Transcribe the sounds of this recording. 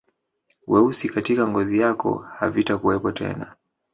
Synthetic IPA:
wɛusikatikaŋɡɔzijakɔ̰ha̰vitakuwɛpɔtʰɛ̰na̰

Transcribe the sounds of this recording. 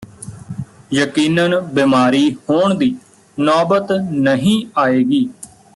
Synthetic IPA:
jəkiːnənbɪmaːɾiːhoːɳd̪iː | nɔːbət̪nəɦĩːaːeːɡiː

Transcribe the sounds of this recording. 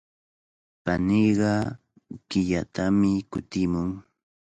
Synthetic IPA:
panijɢɑ | kɪʎat̪amɪkʊt̪ɪmʊŋ

